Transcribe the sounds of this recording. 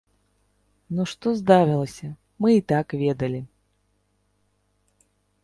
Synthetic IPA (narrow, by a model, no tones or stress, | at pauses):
nuʂt̪ɔzd̪avʲɨlˠɐsʲɐ | mɨit̪akvʲɛd̪ɐlʲi